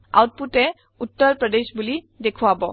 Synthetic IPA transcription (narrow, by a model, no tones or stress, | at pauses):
a̰wt̚putɛ | utːɔɹpɹɔdeʃbuli | dekʰuwabɔ